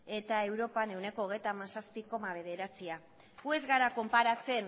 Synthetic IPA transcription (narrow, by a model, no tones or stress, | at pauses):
e̞t̪ae̞wɾo̞pane̞wne̞ko̞ːɣ̞e̞jt̪amasaspiko̞maβ̞e̞ð̞e̞ɾat͡sia | ɣue̞zɣaɾako̞mpaɾat͡se̞n